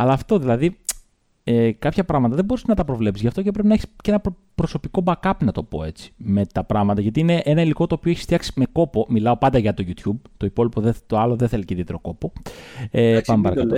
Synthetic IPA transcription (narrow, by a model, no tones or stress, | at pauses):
ɐlɐːft̪o̞ðilɐði | ekɐpçɐpɾɐɣmɐt̪ɐðe̞bo̞ɾise̥znɐt̪ɐpɾo̞vle̞pizʝɐft̪o̞cep̬ɾepinɐeçi̥sceenɐp | pɾo̞so̞piko̞bɐkɐpnɐt̪o̞po̞̰e̞t͡si̥me̞t̪ɐpɾɐɣmɐt̪ɐʝɐt̪iine̞ʔe̞nɐiliko̞t̪oːpioeçi̥st̪i̥ɐksi̥me̞ko̞po̞milɐo̞pɐnd̪ɐʝɐt̪o̞ʝut̪çub̚t̪o̞ipo̞lipo̞ðet̪oɐlo̞ðeθe̞leceðiet̪ɾo̞ko̞po̞epɐmepɐɾɐkɐo